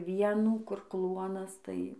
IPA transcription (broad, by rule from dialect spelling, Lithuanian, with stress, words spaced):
ˈʋʲiɛnuː kʊr ˈklˠuɔnɐs tɐɪ